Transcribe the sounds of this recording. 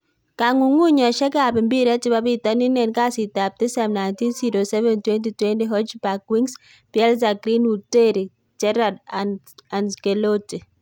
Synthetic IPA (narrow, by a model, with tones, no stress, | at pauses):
ka˨ŋu˨ŋu˦ɲɔ˨ʃɛ˦ka˨pɪ˨mbi˦ɾɛ˦t͡ʃɪ˦ba˦bi˦tɔ˦ni˦nɛ˨nka˦si˨ta˨p̚tɪ˦sɛ˨mna˨jnti˦nsi˨ɾo˨sɛ˦vɛ˨ntwɛ˦nti˨twɛ˦ndi˦ɦɔ˦t͡ʃba˨kwi˦ŋs | pjɛ˦lz̬a˨kɾi˦nu˨te˦ɾi˨ | t͡ʃɛ˦ɾa˨dan | a˨nke˨lo˦ti˨